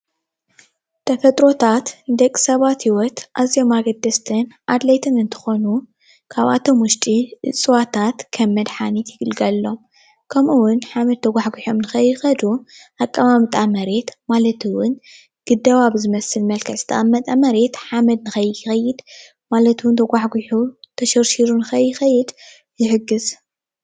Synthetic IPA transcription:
t̪ʰɐfɐt̪ʼɾo̞t̪ʰat̪d̪ɐkʼi̥sɐβat̪hiwɔt̪ʔaziomaɡɐd̪ːɐst̪ʰɐnʔad̪lajt̪ʰɨnɨnt̪ʰɨ̥xo̞nu | kʰaβʔa̰t̪ʰo̞mwʊʃt̪ʼiʔɨ̰t͡sʼɨwat̪ʰat̪kʰɐmːɐd̪ħanit̪jɪɡɨlɡɐlːo̞m | kʰɐmʔuwʊnħamɐd̪̚t̪ʰɐɡʷaħɡiħomnɨxɐjːɨxɐd̪uʔakʼːɐmamt̪ʼamɐɾe̞t̪malɐt̪ʰɨwʊn | ɡ̥ɨd̪ɐβaβzɨmɐsːɨlmɐlkʰɐsʼt̪ʰɐʔʼɐmːɐt̪ʼamɐɾe̞t̪ħamɐd̪̚nɨxɐjːjɪxɐjːɪd̪ | malɐt̪wʊnt̪ʰɐɡʷaħɡʷuħut̪ʰɐʃɐɾʃiɾunɨxɐjːɪxɐjːɪd̪ | jɪħɨɡːɨz

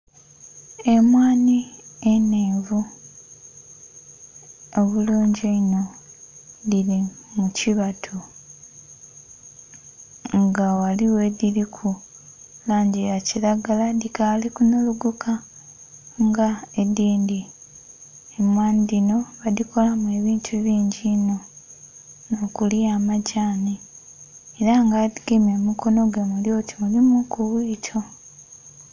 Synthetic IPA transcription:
e̞mwaːnieneːvu | oβuluːɲɟeino̞ | ðilimuciβatʰu | ŋɡawaliwe̞ðiɾikʰu | laːɲɟijaciɾaɡaladikalikunuluɡukʰa | ŋɡaediːndi | emwaːnidino̞βadiko̞lamue̞βiːntʰuβiːɲɟino̞ | no̞ːkuliamaɟaːni | eɾaŋɡadiɡeme̞mukʰo̞no̞ɡwe̞muljo̞ːtʰi̥mulimukuβwiːtʰo̞

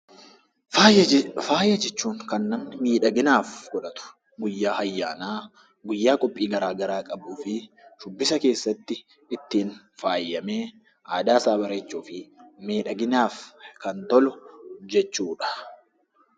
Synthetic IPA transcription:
faːjɐd͡ʒɛt͡ʃːuːŋkɐnːɐmnɪmiːᶑɐɡɪnaːfɡɔᶑɐt̪ʊ̥ | ɡʊjːaːhɐjːaːnaː | ɡʊjːaːkʼɔpʼːiːɡɐɾaːɡɐɾaːkʼɐbuːfɪ | ʃʊbːɪsɐke̞ːsːɐt̪ːɪ | ɪt̪ːiːn | faːjːɐmeː | ʔaːd̪aːsaːbɐɾeːt͡ʃːuːfɪme̞ːᶑɐɡɪnaːfkɐnt̪ɔlʊd͡ʒɛt͡ʃːuːᶑɐ̥

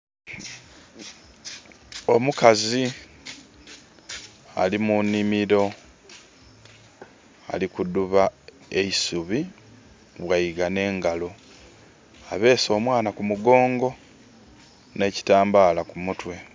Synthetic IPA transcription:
o̞mukazi | a̰limunːimiɾo̞ | a̰likuduβa | e̞isuβi | βwaiɡane̞ːŋɡalo̞ | aβe̞ːso̞ːmwaːnakumuɡo̞ːŋɡo̞ | ne̞ːci̥taːmbaːlakumutwe̞

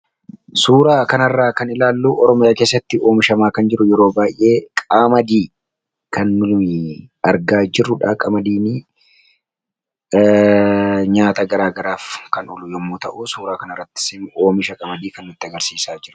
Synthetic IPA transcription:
suːɾaːkɐnɐrːaːkɐnɪlaːlːuːʔɔɾɔmɪjaːke̞ːsːɐt̪ːɪʔo̞ːmɪʃɐmaːkɐnd͡ʒɪɾʊjɛɾo̞ːbaːjʔːe̞ːkʼaːmɐd̪iː | kɐnːʊlʊmɪɐɾɡaːd͡ʒɪrːʊᶑaːkʼɐmɐd̪iːn | ɲaːt̪ɐɡɐɾaːɡɐɾaːfkɐnʊlʊjɛmːuːt̪ɐʔʊsuːɾaːkɐnɐrːɐt̪ːɪ̥sɪnʔo̞ːmɪʃɐkʼɐmɐd̪iːkɐnːʊt̪ːɪɐɡɐɾsiːsaːd͡ʒɪɾʊ̥

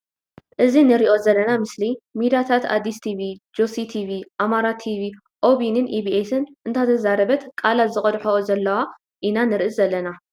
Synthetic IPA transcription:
ʔɨzinɨɾiʔo̞zɐlːɐnamɨslimid̪at̪ʰat̪ʰa̰d̪ist̪ʰiβid͡ʒosit̪ʰiβiʔamaɾat̪ʰiβi | ʔo̞βinɨnʔibiʔesɨnʔɨnt̪ʰat̪ʰɐzaɾɐbɐt̪kʼalazɨkʼɐd̪ħoozɐlːɐwa | ʔinanɨɾɨʔɨzɐlːɐna

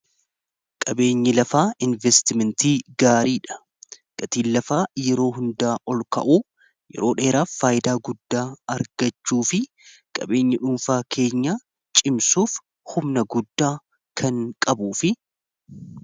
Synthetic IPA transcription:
kʼɐbe̞ːɲːɪlɐfaːʔɪnvɛst̪ɪmɛnt̪iːɡaːɾiːᶑɐ̥ | ɡ̥ɐt̪iːlːɐfaːjɛɾo̞ːɦʊnd̪aːʔɔlkɐ̰ʔuː | jɛ̰ɾo̞ːᶑe̞ːɾaːfːaːjɪd̪aːɡʊd̪ːaːɐɾɡ̥ɐt͡ʃːuːfɪ | kʼɐ̰be̞ːɲːɐᶑʊmfaːkʰe̞ːɲːa | t͡ʃʼɪmsuːf | hʊmnɐɡʊd̪ːaː | kʰɐŋkʼɐbuːfɪ

